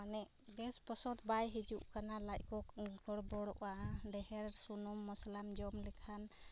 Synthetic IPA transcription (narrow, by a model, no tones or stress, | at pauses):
anɛʔ | ɾɛspɔsɔd̪bajɦid͡ʒuʔkanalajkɔkɡʱɔɽbɔɽɔʔaɖɛɦɛɾsunɔmːɔslamd͡ʒɔmlikʰan